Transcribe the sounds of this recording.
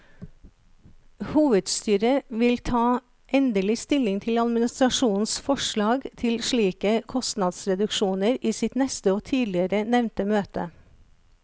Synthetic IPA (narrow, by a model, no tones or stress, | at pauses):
huːʋəd̪st̪yːɾəʋɪlt̪ʰɑː | ʔɛnd̪əlɪst̪ɪlɪŋt̪ʰɪlɑd̪mɪnɪst̪ɾɑʃuːn̩sfɔʂɭɑːɡt̪ʰɪlʃɭiːkəkʰɔst̪nɑd̪sɾɛd̪ʉkʃuːnəɾiːsɪt̪nɛst̪əoːt̪ʰiːd̪lɪəɾənɛʋnt̪əmøːt̪ə̰